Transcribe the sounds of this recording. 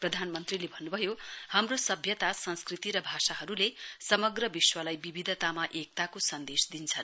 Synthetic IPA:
prʌd̪ʱanmʌnt̪rilebʱʌnːubʱʌjohamrosʌbʱjʌt̪asʌnskrit̪iɾʌbʱasaɦʌɾulesʌmʌɡrʌbiswʌlajbibʱid̪ʱʌt̪amaʔek̚t̪akosʌnd̪esd̪int͡sʰʌn

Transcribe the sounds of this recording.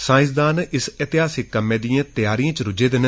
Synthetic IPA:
sãːɪ̃s̬d̪aːnɪset̪ɪɦaːsɪkːəmːẽːd̪ijãːt̪jaːɾijãːt͡ʃɾʊd͡ʒeːd̪ɪn

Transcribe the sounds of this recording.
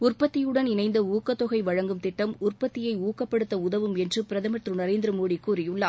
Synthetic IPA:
ʊrpɐt̪ːɪjɯɽɐnɪnɐɪnd̪ɐuːkːɐt̪ːɔɣɐɪʋɐɻɐŋɡɯmt̪ɪʈːɐmʊrpɐt̪ːɪjɐɪuːkɐpːɐɽɯt̪ːɐʊðɐʋɯmɛndrɯpɪɾɐðɐmɐʈrɯnɐɾeːnd̪ɪɾɐmoːɽikːuːɾɪjɯɭːɐ

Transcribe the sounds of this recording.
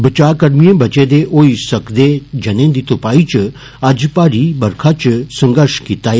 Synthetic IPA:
bət͡ʃakəɾmijẽbʱət͡ʃed̪eʔoisəkd̪ed͡ʒənẽd̪it̪upait͡ʃ | ad͡ʒpaɾibəɾkʰat͡ʃsə̃ŋɡəɾʃkit̪a

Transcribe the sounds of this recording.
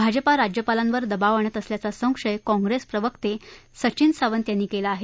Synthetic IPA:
bʱad͡ʑəpaɾad͡ʑjəpalãnʋəɾd̪əbaʋəɳ̃ət̪əsljat͡sasə̃w̃kʂəjkɔ̃ŋɡɾespɾəʋəkt̪esət͡ɕiːnsaʋənt̪janːiːkelaːɦe

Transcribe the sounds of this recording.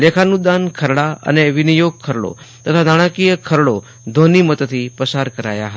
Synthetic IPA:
lekʰanud̪ankʰəɾɭaə̰neʋɪnijoɡ̚kʰəɾɭo̰ | t̪ət̪ʰanaɽ̃ãkijəkʰəɾɭo | d̪ʱonimət̪t̪ʰipəsaɾkəɾa̰ja̰ɦə

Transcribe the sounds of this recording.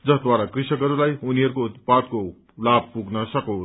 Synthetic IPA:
d͡zʌsd̪waɾakrisʌkʌɾulajuniɦʌɾukout̪pad̪̚ko | lab̚pːuɡnʌsʌkʌw̃

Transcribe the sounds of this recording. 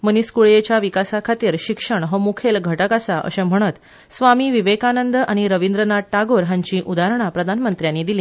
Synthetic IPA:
məniskuɭjet͡ɕjaʋikasakʰat̪iːɾɕikʂəɳɦəmukʰelɡʱəʈəkasaʔə̰ɕẽm̤əɽ̃ət̪ | sʋamiːʋiʋekanənd̪aɽ̃iɾəʋind̪ɾənaʈaɡoɾɦãɲt͡ɕiːʔud̪aɾəɳ̃apɾəd̪ʱanmənt̪ɾjanːiːd̪ilĩː

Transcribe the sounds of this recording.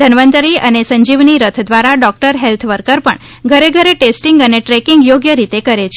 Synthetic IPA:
d̪ʱənʋə̃nt̪ɾiənesə̃ɲd͡ʒiʋniɾət̪ʰd̪ʋaɾaɖɔk̚ʈəɾɦelt̪ʰʋəɾkəɾpəɳ | ɡʱəɾeɡʱəɾeʈesʈiŋɡəneʈɾɛkiŋɡjoɡjəɾit̪ekəɾet͡ʃʰe

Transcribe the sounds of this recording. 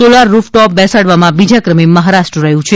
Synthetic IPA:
solaɾːufʈɔp̚bɛsaɽʋamãbid͡ʒakɾəmiməɦaɾaʃʈɾəɾəɦjũt͡ʃʰe

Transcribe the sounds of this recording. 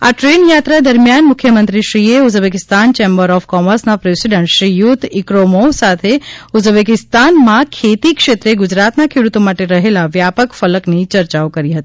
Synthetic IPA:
aʈɾeːnjaːt̪ɾad̪əɾmjaːnmʊkʰjəmə̃nt̪ɾiʃɾieʊd͡ʒbek̬ɪst̪ant͡ʃeːmbəɾɔːfkɔməɾsnapɾesiɖəɳʈʃɾijut̪ʰɪkɾomosat̪ʰeʊd͡ʒbekɪst̪aːnmãkʰeːt̪ikʃet̪ɾeɡʊd͡ʒɾaːt̪nakʰeɽut̪omaʈeɾəɦelaʋjapəkfələknit͡ʃəɾt͡ʃaokəɾiɦət̪i̥

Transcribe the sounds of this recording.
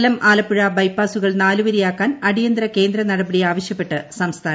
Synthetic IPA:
lɐmʔaːlɐpːuɻabɐjpːaːsuɣɐɭnaːluʋɐɾijaːkːaːnɐɽijɐnd̪ɾɐke̞ːnd̪ɾɐnɐɽɐbɐɽiaːʋɐɕjɐpːe̞ʈːɨsɐmst̪ʰaː

